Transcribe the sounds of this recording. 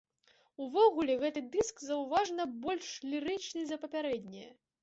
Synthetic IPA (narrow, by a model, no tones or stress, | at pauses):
uvɔɣulʲɛɣɛt̪ɨd̪ɨskzɐwvaʐnɐbɔlʲʂlʲiɾɨt͡ʂnɨzɐpɐpʲaɾɛd̪ʲnʲɛjɐ̰